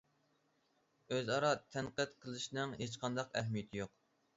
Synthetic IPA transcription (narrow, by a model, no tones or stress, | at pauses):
øzɑɾɑt̪ʰɛnqət̪qʰəlˠɨʃnɨŋɦet͡ʃqʰɑnd̪ɑqɛɦmijɛt̪ʰɪjoq